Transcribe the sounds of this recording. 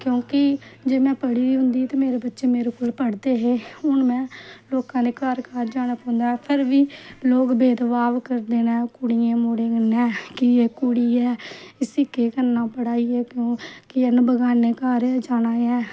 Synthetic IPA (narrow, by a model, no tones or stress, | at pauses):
kjõːkɪd͡ʒeːmɛ̃ːpəɽiːiːɦʊnd̪iːt̪aːmeːɾeːbətːʃeːmeːɾeːkoːlpəɽd̪eːɦeːʊnmɛ̃ːloːkãːneːkaːɾkaːɾd͡ʒaːnapãːnd̪aːɦɛːpʰəɾʋiːloːkbeːd̪ʋaːʋkəɾd̪eːnɛːkʊɽijãːmoːɽeːənɛ̃ːkieːkʊɽiːɛːɪsikeːkənːãːpəɽaːiːɛːkjõːkɪənbəɡaːneːkaːɾɛːd͡ʒaːnaːɛː